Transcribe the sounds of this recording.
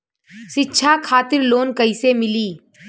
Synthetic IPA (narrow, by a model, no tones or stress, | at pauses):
ʃɪtːʃʰakʰaːt̪ɪɾloːnkəisemɪliː